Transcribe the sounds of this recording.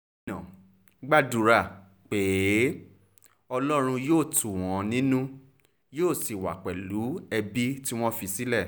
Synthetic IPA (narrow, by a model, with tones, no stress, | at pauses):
nã˨ | ɡ͡ba˦du˨ɾa˨ | k͡pe˨˦ | ɔ˧lɔ˦ɾ̃ũ˧joː˦˨tu˨w̃ɔ̃˨˦nĩ˦nũ˦ | joː˦˨si˨wa̰˨k͡pɛ˨lu˨˦ɛ˧bi˦ti˦w̃ɔ̃˦fi˧si˦lɛ˦˨